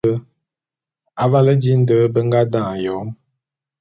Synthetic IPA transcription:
ə˦ | a˨va˦lə˦d͡ʒi˦n̩˦də˦bə˦ŋɡa˦dã˦˨jɔ˨˦m

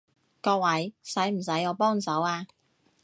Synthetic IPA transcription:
kɔː˧k̚wɐ˨˥jsɐ˨˥jm̩˨˩sɐ˨˥jɔː˨˧˥pɔː˥ŋ˨sɐ˨˥waː˧

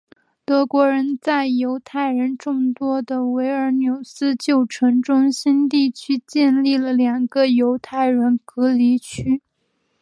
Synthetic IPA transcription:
t̪ɤ˧˥kwɔ˧˥ɻə˧˥nt͡sa˥˩ɪjo˧˥ʊt̪ʰa˥˩ɪɻə˧˥nʈ͡ʂʊ˥˩ŋt̪wɔ˥d̪ə˨we˧˥ɪə˞˧˥njo˨˩ʊsɹ̩˥t͡ɕjo˥˩ʊʈ͡ʂʰɤ˧˥ŋʈ͡ʂʊ˥ŋɕi˥nt̪i˥˩t͡ɕʰy˥t͡ɕjɛ˥˧nli˥˩lə˩ljɑ˨˩ŋɡə˧˦jo˧˥ʊt̪ʰa˥˩ɪɻə˧˥nkɤ˧˥li˧˥t͡ɕʰy˥

